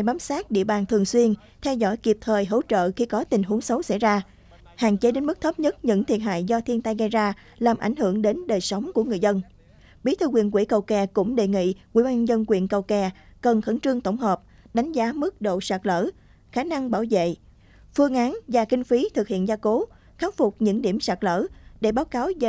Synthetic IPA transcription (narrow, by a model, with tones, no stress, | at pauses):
jɓaː˨˦msaː˦˥t̚ɗḭ˧˨əɓaː˨˩nt̪ʰɨ˨˩əŋswi˧ən | t̪ʰɛ˧wzɔ̰˧˥˩jki˨˩p̚t̪ʰəː˨˩jɦo̰˧˥t͡ɕə̰ː˧˨xi˧kɔ˨˦t̪ï˨˩ŋ̟ɦu˨˦əŋsə˨˦wsa̰˧˥jzaː˧ | ha̰ː˧˨ŋt͡ɕe˨˦ɗe˨˦nmɨ˦˥k̚t̪ʰə˦˥p̚ɲə˦˥t̚ɲɨ̰˧˥ŋt̪ʰḭ˨ət̚ɦa̰ː˧˨jzɔ˧t̪ʰi˧nt̪a˧jɣə˧jzaː˧ | laː˨˩mʔa̰˧˩jŋ̟hɨ˧˩əŋɗe˨˦nɗəː˨˩jsa˨˦wŋ͡mku˧˩əŋɨ˨˩zə˧n | ɓi˨˦t̪ʰɨ˧kwḭ˨˧˩ənkwi˧˩kə˨˩wkɛ˨˩kʊ̰˧˥ŋ͡mɗḛ˧˨ŋḭ˧˨kwḭ˧˩˨ɓaː˧zə˧nkwḭ˧˨ənkə˨˩wkɛ˨˩kə˨˩nxə˧˩nt͡ɕɨ˧əŋt̪ə˧˩wŋ͡mɦəː˨˩p̚ | ɗa˨˦jŋ̟zaː˨˦mɨ˦˥k̚ɗo̰˧˨saː˨˩k̚lə̰ː˧˥ | xaː˨˧˦na˧ŋɓaː˧˩wzḛ˧˨ | fɨ˧əŋʔaː˨˦nvaː˨˩ki˧ŋ̟fi˨˦t̪ʰɨ˨˩k̚hḭ˧˨ənzaː˧ko˨˦ | xaː˦wfʊ˨˩k͡p̚ɲɨ̰˧˥ŋɗi˧˩əmsaː˨˩k̚lə̰ː˧˥ɗe˧˩ɓaː˨˦wkaː˨˦wz